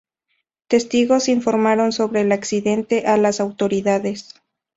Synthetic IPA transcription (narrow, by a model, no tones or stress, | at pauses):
t̪e̞st̪iɣo̞siɱfo̞ɾmaɾo̞nso̞βɾe̞ːlaksiðe̞nt̪e̞ʔalasawt̪o̞ɾiðaðe̞s